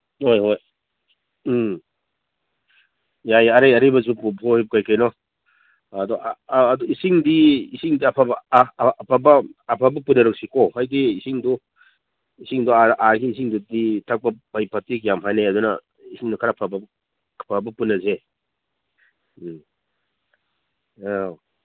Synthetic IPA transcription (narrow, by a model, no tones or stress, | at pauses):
hojɦoj | jajɐɾajɐɾibɐzupupʰɔhip̚kajkajnɔ | ɐdɔːduisiŋdiisiŋdiɐpʰabː | pʰabɐːpʰabɐpunɐɾɐk̚sikɔhajdiːsiŋdu | isiŋduaʔaɡiːsiŋduditʰak̚pɐbajpatikjamɦʰajnajɐdunɐ̰ | isiŋdukʰaɾapʰabɐ | pʰabɐpunːɐze